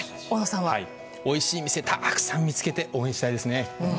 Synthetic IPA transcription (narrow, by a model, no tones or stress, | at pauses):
onasãɰ̃βai | o̞iɕiːmʲise̞t̪ʰaʔakɯ̟̥sãmːʲit͡sɨ̥ke̞t̪e̞ʔo̞ːẽɕi̥t̪aid̪e̞sɨnẽ̞